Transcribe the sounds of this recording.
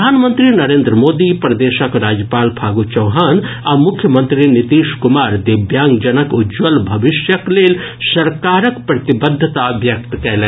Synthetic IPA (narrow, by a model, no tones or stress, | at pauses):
d̪ʱaːnmənt̪ɾinɐɾẽːnd̪ɾəmoːd̪ipɾɐd̪eːʃəkɾaːd͡ʒjəpaːlpʰaːɡut͡ʃɐwɦaːn | amʊkʰjəmənt̪ɾinit̪iːʃkʊmaːɾd̪ibjaːŋɡd͡ʒɐnəkud͡ʒʋəlbʱɐbɪʃjəkleːl | sɐɾkaːɾəkpɾɐt̪ibəd̪ʱːət̪abjɐk̚t̪kɛɦlɛ